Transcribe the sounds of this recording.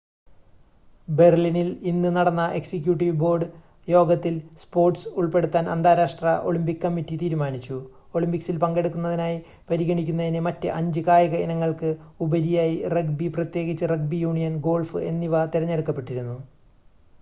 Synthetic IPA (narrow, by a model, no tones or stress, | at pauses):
be̞rlinilinːɨnɐɽɐnːɐʔe̞ksikʲjuːʈːiʋbo̞ːrɖɨ | jo̞ːɡɐt̪ːilspo̞ːrʈsuɭpe̞ɽut̪ːaːnɐ̰nd̪ʱaːɾaːʂʈrɐ̰ʔo̞ɭimpikːkːɐmːitːit̪iːɾumaːnit͡ɕːu | o̞ɭimpiksilpɐŋɡe̞ɽukːunːɐðinaːji | pɐɾiɣɐɳikʲːunːɐðinemɐtːɨʔɐɲd͡ʑɨkaːjɐɣɐinɐŋːɐɭkɨubɐɾijaːjirek̚biprɐt̪je̞ːɣit͡ɕːɐreɡ̚bijuːɳijɐnɡo̞ːɭfɨe̞nːiʋɐt̪iɾɐɲːe̞ɽukːɐpːe̞ʈːiɾunːu